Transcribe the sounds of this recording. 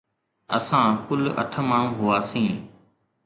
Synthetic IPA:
əsãːkʊlə̰ʈʰəmaːɳ̤ũːɦʊaːsĩː

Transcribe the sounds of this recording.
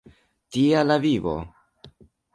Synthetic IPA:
tialavivo̞̰

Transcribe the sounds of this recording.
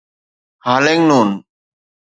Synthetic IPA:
haːlẽːŋnuːn

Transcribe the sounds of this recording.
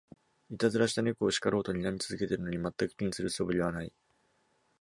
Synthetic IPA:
it̪azɨɾaɕi̥t̪aɲʲekɯ̟oɕi̥kaɾo̞ːt̪o̞ɲ̟inamʲit͡sɨzɨke̞t̪e̞ɾɯ̟no̞ɲ̟imat̪ːakɯ̟̥kʲĩñsɨɾɯ̟so̞bɯ̟ɾʲiβ̞anai

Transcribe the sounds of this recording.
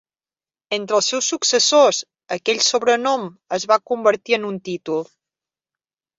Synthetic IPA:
ent̪ɾəlˠsːɛwsːuksəsoz | əkɛʎʲsoβɾənɔməzβakumbəɾt̪iənunt̪it̪ulˠ

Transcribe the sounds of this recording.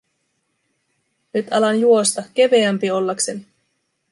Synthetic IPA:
nyt̪ɑlɑnjuo̞st̪ɑk̟e̞ʋeæmpio̞lːɑkse̞ni

